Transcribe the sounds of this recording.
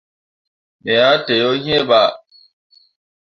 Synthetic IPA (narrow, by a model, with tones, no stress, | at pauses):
me˨ja˦te˨jo˦ɲ˦e˦ba˨